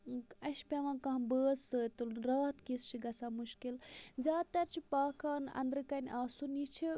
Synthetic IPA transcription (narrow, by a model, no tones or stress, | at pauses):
ɐʃpʲɐʋãːkɐ̃ɦbəːzəːt̪ulɾaːt̪kist͡ʃʰiɡɐsamuʃkilzʲaːt̪ɐɾt͡ʃʰipaːkaːnɐ̰nd̪ɾɨkɐnʲʔaːsunit͡ʃʰi